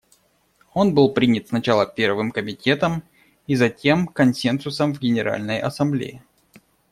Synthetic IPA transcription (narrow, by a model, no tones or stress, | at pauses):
o̞nbɨlˠpɾʲinʲɪt̪snɐt͡ɕalˠəpʲe̞rvɨmkəmʲɪtʲe̞t̪əm | izɐtʲe̞mkɐnsʲensʊsəmvɡʲɪnʲɪɾa̰lʲnəjʔɐsɐmblʲḛjɪ